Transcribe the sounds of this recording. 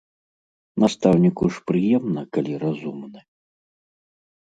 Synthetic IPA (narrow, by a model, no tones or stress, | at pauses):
nast̪awnʲikuʂpɾɨjɛmnɐkalʲiɾazumnɨ